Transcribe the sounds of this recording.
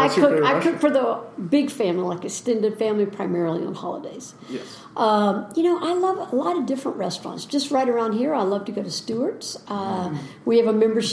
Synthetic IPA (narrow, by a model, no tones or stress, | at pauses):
aɪkʰʊkaɪkʰʊkfə˞ðəbɪɡfæ̃mlilaɪkɨstɪ̃ndɨd̥fæ̃mlipʰɹ̥aɪmɛɹl̩ˠḭə̰̃nhɑ̰lˠə̰deɪz̥ | ʔʌjɨñoʊʔaɪlʌvəlɑɾʌvdɪfɹə̃nʔɹɛstɹ̥ɑ̰̃ntsd̥ʒ̥ʌst̚ɹaɪɾə˞ãʊ̃nd̚hiɹaɪlʌv̥tɨɡoʊɾɨstʉə˞tsʌwiɨvəmɛ̃mbə˞ʃ